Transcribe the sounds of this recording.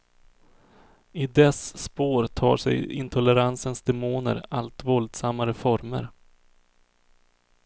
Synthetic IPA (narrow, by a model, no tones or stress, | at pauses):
ɪd̪ɛsːpoːɾt̪ʰɑ̰ːʂɛ̰jɪ̰nt̪ʰɔlɛɾansənsd̪ɛmoːnə̰ɾalt̪vɔld̪samːaɾəfɔɾmə̰ɾ